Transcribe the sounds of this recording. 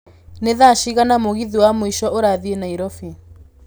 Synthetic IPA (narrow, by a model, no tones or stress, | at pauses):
neðaʃiɣanamoɣiðiwamoiʃɔʔoɾaðienaiɾɔfi